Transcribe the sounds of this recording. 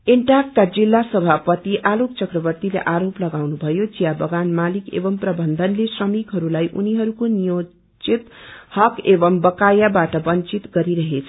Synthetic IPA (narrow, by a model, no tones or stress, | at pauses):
eɳʈakːad͡zilːasʌbʱapʌt̪iʔalok̚t͡sʌkrʌbʌrt̪ilḛʔaɾoplʌɡawnubʱʌjod͡zijabʌɡanmalikḛbʌmprʌbʌnd̪ʱʌnlesrʌmikɦʌɾulajʔṵniɦʌɾukonijo | t͡sit̪hʌkebʌmbʌkajabaʈʌbʌnt͡sit̪ɡʌɾiɾʌɦet͡sʰʌ̥